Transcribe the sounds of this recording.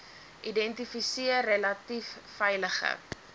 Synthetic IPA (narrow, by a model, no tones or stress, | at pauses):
ʔidɛntifisiərːelɐtifːɛjləχə̰